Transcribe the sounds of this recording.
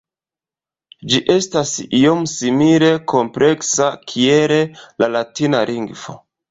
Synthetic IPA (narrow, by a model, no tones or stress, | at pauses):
d͡ʒiʔe̞stasiomsimile̞kʰo̞mple̞ksakʰiele̞lalatinaliŋɡfo̞̰